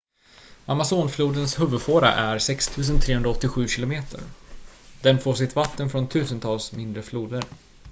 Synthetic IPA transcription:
amasoːnfluːd̪ənshɵvɵd̪foːɾa̰ʔæɾsɛkst̪ʰʉ̟ːs̬ənt̪ʰɾeːhɵnɾaɔt̪ːɪɧʉ̟ːɕɪlʊmeːt̪ʰə̰ɾ | d̪̥ɛnfoːʂɪt̪vat̪ːənfɾɔnt̪ʰʉ̟ːsənt̪ʰɑːlsmɪnd̪ɾəfluːd̪əɾ

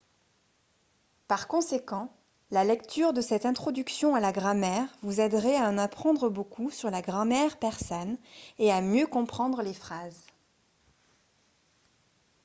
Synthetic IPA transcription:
paʁkɔ̃sekɑ̃ | lalɛkt̪ʰyʁd̪əsɛt̪ɛ̃t̪χɔd̪yksjɔ̃alaɡʁamɛʁvuzɛd̪ʁɛaɑ̃napχɑ̃d̪ʁəbokʰusyʁlaɡʁamɛʁpɛʁsɔneamjøkɔ̃pχɑ̃d̪ʁəlefχaz

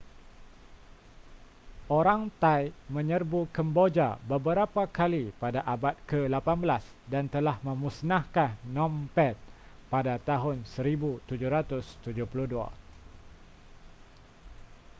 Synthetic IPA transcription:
oɾaŋt̪ajmə̃ɲərbukəmbod͡ʒabəbəɾapakalipadaʔabat̪̚kəlapanbəlas | dant̪əlahmə̃mũsnahkanːɔ̃mpɛt̪̚padat̪aɦʊnsəɾibut̪ud͡ʒuɾat̪ʊst̪ud͡ʒʊhpuluhdua̰

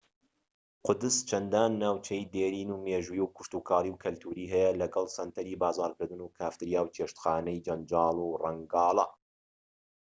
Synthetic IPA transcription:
qʊd̪ɨst͡ʃʰɐnd̪aːnːaːwt͡ʃʰɛjd̪eːɾiːnuːmeːʒujuwkʰʊ̥ʃt̪uːkʰɑːliwkʰɐlt̪ʰuːɾiːɦɛjɛlɐɡɐlˠsɐnt̪ʰɐɾiːbaːzɑːɾkɨɾd̪ɨnuːkʰaːft̪ɨɾjaːwt͡ʃeːʃt̪xaːnɛjd͡ʒɐnd͡ʒɑːlˠuːrɐŋɡɑːlˠɐ

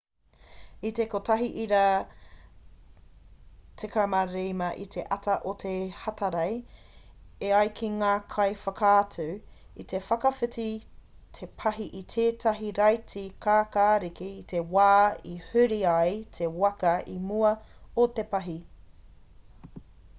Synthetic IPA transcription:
ite̞kotɐɦiʔiɾa | tʰekamɐɾejmɐʔḭtʰe̞ʔɐtʰɐʔotʰehɐtʰɐɾɐj | eɐjkʰiŋaːkʰɐjfɐkʰaːtʰʉ | it̪ʰe̞fɐkɐfɨti | tʰe̞pʰɐɦiʔitʰeːtʰɐɦiɾɐjtikʰaːkaːɾikiːt̪ʰewaːihʉɾiajtʰe̞wɐkɐimuɐot̪epɐɦi

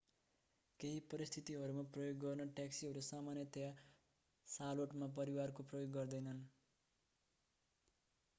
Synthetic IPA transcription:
keɦipʌɾist̪ʰit̪iɦʌɾumaprʌjoɡːʌrnʌʈjaksiɦʌɾusamanjʌt̪eja | saloʈmap̬ʌɾiwarkoprʌjoɡːʌrd̪ʌjnʌn

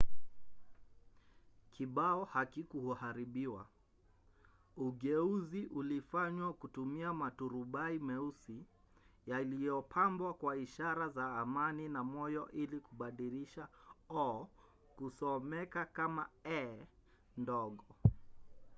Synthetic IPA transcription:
kʰiɓaɔhakikuhuhaɾiɓiwa̰ | uɠɛuziʔulifaɲwakutumiamatuɾuɓaimɛusi | jalijɔpʰambwakwaiʃaɾazaːmaninamɔjɔʔilikuɓaɗiɾiʃaɔ | kusɔmɛkakamaɛ | ndɔɠɔ

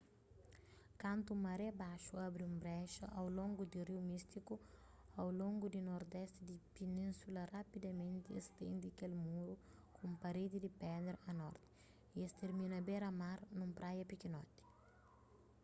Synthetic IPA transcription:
kãnt̪umɐɾɛbaʃuabɾiũmbɾɛʃɐ̰ʔawlõŋɡud̪iriwmist̪iku | awlõŋɡud̪inoɾd̪ɛst̪id̪ipenĩnsulɐrapid̪ɐmẽnt̪iest̪ḛ̃nd̪iɐkelmuɾukũmpɐɾed̪id̪ipɛd̪ɾɐnɔɾt̪i̥ | iest̪eɾmĩnɐbeɾɐmaɾnũmpɾʔajɐpikinɔt̪i̥

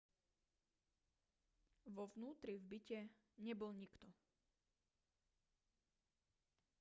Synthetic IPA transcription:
ʋɔʋnuːt̪ɾivbicɛ | ɲɛbɔlɲikt̪ɔ

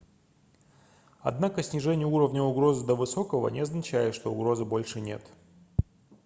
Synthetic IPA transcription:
ɐ̰d̪nakəsʲnʲɪʐɛnʲɪjəuɾəvnʲəʊɡɾo̞zɨd̪əvɨso̞kəvə̰nʲɪɐznɐt͡ɕæjɪt̪ʂt̪o̞ʊɡɾo̞zɨbo̞lʲʂɨnʲe̞̰t̪

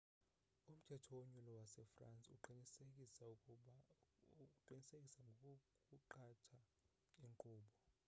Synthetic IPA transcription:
um̩tʰɛtʰɔwoɲulɔwasɛfra̰nt͡sʼuǃinisek̬ʼisa | ukuǃinisekʼisaŋ | kʼuǃatʰa | iŋkʼuːɓɔ

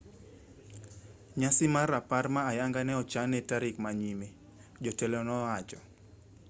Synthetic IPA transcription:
ɲasɪmaraparmaːjaŋɡanɛɔt͡ʃanɛtaɾikmaɲime | d͡ʒɔtɛlɔnɔat͡ʃɔ

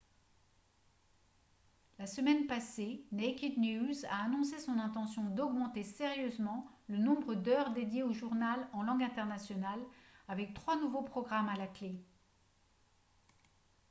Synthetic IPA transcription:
lasəmɛnpasenekʲid̪njuza̰ːnɔ̃sesɔ̃nɛ̃t̪ɑ̃sjɔ̃d̪ɔɡmɑ̃t̪eseʁjøzmɑ̃lənɔ̃bʁəd̪œʁd̪ed̪jeoʒuʁnalɑ̃lɑ̃ɡɛ̃t̪ɛʁnasjɔnalavɛk̚t̪χwanuvopχɔɡʁamalakle

